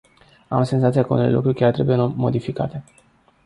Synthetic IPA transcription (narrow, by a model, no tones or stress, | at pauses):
amsenzat̪sijakəunelelṵkɾuɾʲkʲart̪ɾe̞bujenmo̞̰d̪ifika̰t̪e̞